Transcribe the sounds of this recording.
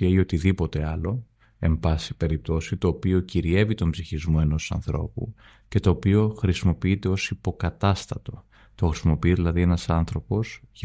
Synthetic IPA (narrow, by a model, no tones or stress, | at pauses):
eio̞t̪iðipo̞t̪e̞ɐlo̞ | e̞mbɐsipe̞ɾip̚t̪o̞sit̪o̞ːpio̞ciɾie̞vit̪o̞mbziçizmo̞e̞no̞sɐ̰nθɾo̞̰pṵ | ce̞t̪o̞ːpio̞xɾisimo̞piit̪e̞o̞sipo̞kɐt̪ɐst̪ɐt̪o̞ | t̪o̞xɾisimo̞piiðilɐðie̞nɐsɐnθɾo̞po̞z̥ʝ